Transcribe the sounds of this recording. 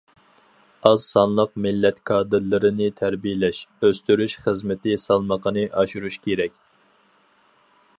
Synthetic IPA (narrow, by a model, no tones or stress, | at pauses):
ɑz̥sɑnlˠəqmɪlːɛt̪kʰɑːd̪ɨɾlɨɾɪnɪt̪ʰæɾbijɪlɛʃøst̪yɾyʃχəzmɪt̪ʰɪsɑlˠməqʰənɨʔɑʃuɾuʃkʲeɾɛkʲ